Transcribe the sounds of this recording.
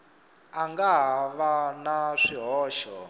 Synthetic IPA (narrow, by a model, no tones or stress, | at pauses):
aŋɡaɦʋanaʂiɦɔːʃɔ